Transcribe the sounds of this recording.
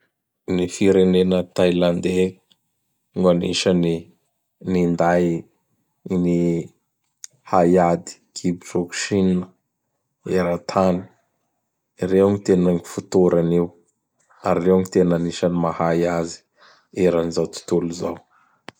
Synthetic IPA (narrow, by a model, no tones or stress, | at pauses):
nifiɾenenət̪ajland̪e | ŋanḭʃəni | nind̪aj | ni | hajad̪i̥kʰibiʈ͡ʂuku̥ʃinə | eɾat̪ʰani̥ | irewŋit̪enəŋifut̪oɾanew | aɾirewaŋit̪enaniʃanimahajazi̥ | eɾanizawt̪u̥t̪uluzaw